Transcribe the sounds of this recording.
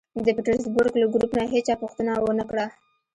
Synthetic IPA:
d̪əpiʈəɾzbʊɾɡlaɡɾupnaɦet͡ʃɑpuxt̪ənawənəkɽa

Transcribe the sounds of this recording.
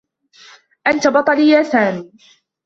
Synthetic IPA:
ʔant̪abɑt̪ˤɑlɪjaːθaːmiː

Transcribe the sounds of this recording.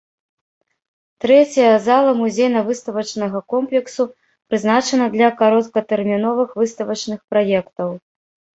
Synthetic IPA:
t̪ɾɛt͡sʲɐjɐzalˠɐmuzʲejnɐvɨst̪ɐvɐt͡ʂnɐɣɐkɔmplʲɛksu | pɾɨznat͡ʂɐnɐd̪lʲɐkaɾɔt̪kɐt̪ɛrmʲinɔvɨxvɨst̪ɐvɐt͡ʂnɨxpɾajɛkt̪ɐw

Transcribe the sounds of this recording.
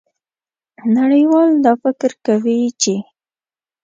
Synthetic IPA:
naɽəjwɑld̪ɑfɪkɾkawit͡ʃe

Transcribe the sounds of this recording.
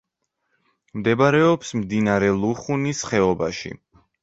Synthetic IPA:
md̪ɛbaɾɛɔpsmd̪inaɾɛlˠuχunisχɛɔba̰ʃḭ

